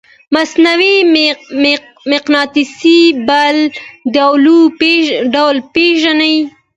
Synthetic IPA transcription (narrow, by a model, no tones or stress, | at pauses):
masnawi | mɪqnɑt̪isibald̪awlueɖawlpeʒanai